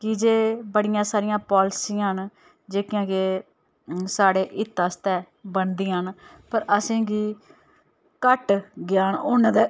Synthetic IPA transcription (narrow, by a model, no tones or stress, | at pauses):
kɪd͡ʒeːbəɽɪjãːsaːɾɪjãːpɔːlɪsiːən | d͡ʒeːkɪjãːkeː | saːɽeːʔɪt̪ːaːst̪ɛː | bənd̪iːɦən | pəɾəsẽːɡiː | kəʈɡɪjaːnoːnãːd̪ː